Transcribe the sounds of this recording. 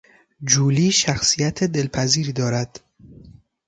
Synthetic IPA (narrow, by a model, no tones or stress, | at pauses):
d͡ʒuːliːʃæxsijæt̪ʰed̪e̞lpʰæziːɾiːd̪ɒːɾæd̪̥